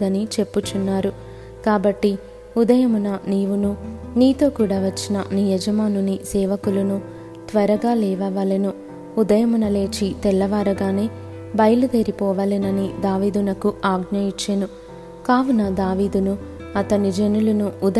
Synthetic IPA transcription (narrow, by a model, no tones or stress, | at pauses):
d̪ɐnit͡ʃe̞pːut͡ʃunːaːɾu | kaːbɐʈːi | ud̪ɐjɐmunɐniːʋununiːt̪o̞ːkuːɽaːʋɐt͡ʃːinɐ̰nijɐd͡ʒɐmaːnunisɛːʋɐkulunu | t̪ʋɐɾɐɡaːlɛːʋɐʋaːlɐnu | ud̪ɐjɐmunɐle̞ːt͡ʃit̪ɛlːɐʋaːɾɐɡaːne̞ː | bɐjlud̪e̞ːɾipɔːʋaːlinɐnid̪aːʋiːd̪unɐkuaːɡɲɐjit͡ʃːenu | kaːʋunɐd̪aːʋiːd̪unu | ɐt̪ɐnid͡ʒe̞nulunuud̪ɐ